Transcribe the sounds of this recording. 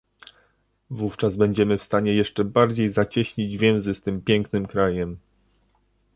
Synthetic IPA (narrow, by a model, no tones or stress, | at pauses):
vuft͡ʂazbɛɲd͡ʑɛmɘfst̪aɲɛjɛʂt͡ʂɛbaɾd͡ʑejzat͡ɕɛɕɲid͡ʑvʲjɛ̃w̃zɘst̪ɘmpʲjɛŋknɘmkɾajɛm